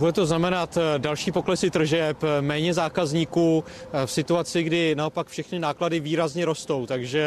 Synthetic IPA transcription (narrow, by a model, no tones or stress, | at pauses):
budɛt̪o̞znamɛnat̪dalʃiːpo̞klɛsɪt̪r̩ʒɛpmɛːɲɛzaːkazɲiːkuː | fsɪt̪uat͡sɪɡdɪnao̞pakfʃɛxnɪnaːkladɪviːɾazɲɛɾo̞st̪o̞wt̪aɡʒɛ